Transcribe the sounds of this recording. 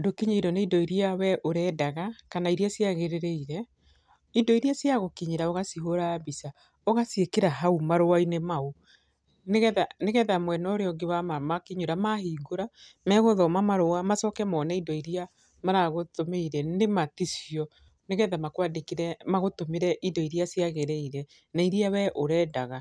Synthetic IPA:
dokiɲiidɔneidɔiɾiawɛʔoɾɛːdaɣakanaiɾiasjaɣeɾeɾeiɾɛ | idɔiɾiasjaɣokiɲiɾaoɣasiɦoɾaːbisa | oɣasiekeɾaɦaumaɾowainemau | neɣɛðaneɣɛðamwɛnɔɾeɔŋɡewamamakiɲuɾamahiːɡoɾa | mɛɣoðɔmamaɾoamasɔːkɛmɔːnɛindɔiɾia | maɾaɣotomeiɾɛnematisjɔ | neɣɛðamakwadekiɾɛmaɣotomeɾɛʔindɔiɾiasjaɣeɾeiɾɛ | naiɾiawɛʔoɾɛːdaɣa

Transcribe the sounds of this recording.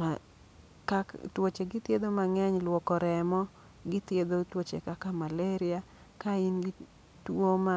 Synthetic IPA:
ma | katwot͡ʃeɡɪt̪jed̪omaŋɛɲlwɔkɔɾɛmɔ | ɡɪt̪jed̪otwot͡ʃḛkakamaleɾɪa | kainɡɪ | twoma

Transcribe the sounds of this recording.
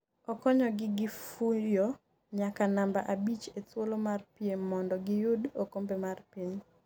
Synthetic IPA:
ɔkɔɲɔɡɪɡɪfujo | ɲakanamba̰ʔabit͡ʃetwolomarpjemɔndɔɡɪjʊdokombemarpiɲ

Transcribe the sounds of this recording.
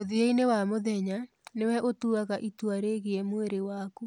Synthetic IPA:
oðieinewamoðɛɲa | newɛʔotuaɣaʔitwaɾeɣiɛmweɾewaːku

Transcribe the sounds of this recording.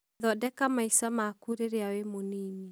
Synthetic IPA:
ðɔdɛkamaisamakuɾeɾeawemoniːni

